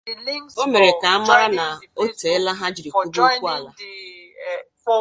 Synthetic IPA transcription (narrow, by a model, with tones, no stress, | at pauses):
o˦me˨ɾe˨ka˨a˦ma˦ɾa˦na˨o˦te˨˦la˦ɦa˦d͡ʒi˨ɾi˨kʷu˦bu˦kʷu˦a˨la˨